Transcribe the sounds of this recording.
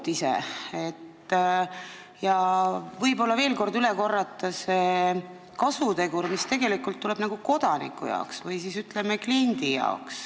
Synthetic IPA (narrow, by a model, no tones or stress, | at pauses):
t̪isḛet̪ː | jɑvɤjbo̞lːɑve̞ːlko̞rd̪yle̞ko̞rːɑt̪ˑːɑse | kɑsut̪e̞ɡuɾmist̪e̞ɡe̞likːˑult̪ːule̞b̥nɑɡ̥uko̞d̪̥ɑnḭkːˑṵjɑ̰oksvɯjsisyt̪ːˑle̞meklind̪ijɑ̰oks